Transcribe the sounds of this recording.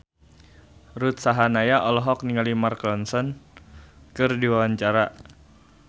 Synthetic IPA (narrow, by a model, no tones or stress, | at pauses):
ɾut̪̚saɦanajaʔɔlɔɦɔk̚niŋalimarklɔnsɔn | kɨrdiwawaɲt͡ʃaɾa